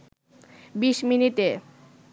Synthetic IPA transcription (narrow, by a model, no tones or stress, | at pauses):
biʃminit̪e